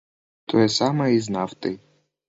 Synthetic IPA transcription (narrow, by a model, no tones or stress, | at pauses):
t̪ʰojɛsamɐiznaft̪ɨj